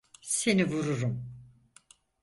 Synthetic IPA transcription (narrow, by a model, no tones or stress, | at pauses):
se̞nivuɾuɾum